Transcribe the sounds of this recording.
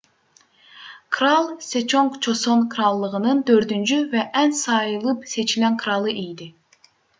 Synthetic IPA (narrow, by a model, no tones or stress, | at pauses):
kʰɾalˠset͡ʃʰoŋkt͡ʃʰo̞sonkʰɾɑlˠːɯʁɯnɯnt̪ʰøɾt̪ynt͡ʃyvɛʔænsɑjɯlˠɯpse̞t͡ʃilʲæŋkʰɾɑlˠɯʔijd̪ɪ